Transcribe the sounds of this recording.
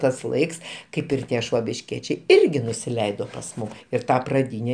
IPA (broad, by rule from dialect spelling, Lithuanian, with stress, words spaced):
ˈtɐs ˈlˠɐɪks ˈkɐɪp ɪr ˈtʲiɛ ʃʋoːbʲɪʃʲˈkʲiɛt͡ʃʲɛɪ ˈɪrʲɡʲɪ nʊsʲɪˈlʲɛɪdoː pɐs ˈmʊm ɪr ˈtɐ prɐˈdʲiːnʲɛ